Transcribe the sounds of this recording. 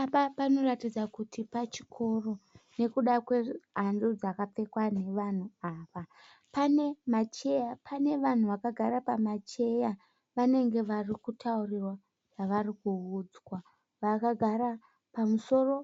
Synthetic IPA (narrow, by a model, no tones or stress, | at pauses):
papapano̞ratid͡zakutipat͡ʃi̥kʰo̞ro̞ne̞kuɗakwe̞ɦandud͡zakap͡fe̞kwane̞ʋan̤uaːʋa | pane̞mat͡ʃe̞japʰane̞ʋan̤uʋakaɡʱaɾapamat͡ʃe̞ja | ʋane̞ŋɡe̞ʋarikutʰaurirwa | ʐaʋarikuud͡zwa | ʋakaɡʱaɾa | pamuso̞ro̞